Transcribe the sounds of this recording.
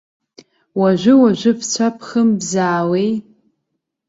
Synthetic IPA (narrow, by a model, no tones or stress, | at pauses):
waʒʷɪwaʒʷʊft͡ɕʷʰapʰχəmbzaːwej